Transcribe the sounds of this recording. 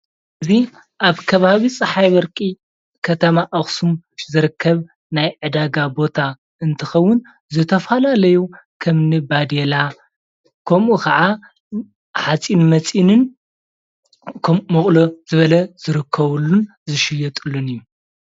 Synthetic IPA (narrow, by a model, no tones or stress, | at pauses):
ʔʔɨzi | ʔaβkʰɐβaβit͡sʼɨħajwɐɾkʼi | kʰɐt̪ʰɐmaʔɐxsumzɨɾɨkʰːɐβ | najʕɨd̪aɡabo̞t̪ʰa | ʔɨnt̪ʰɨxɐwːʊn | zɨt̪ʰɐfalalɐju | kʰɐmnɨbad̪ela | kʰomukʰɐʕa | ħat͡sʼinmɐt͡sʼinɨn | kʰɐmmɨχʼlozɨβɐlɐzɨɾɨkʰːɐβɨlːun | zɨʃɪjɛt̪ʼɨlːunɨjːu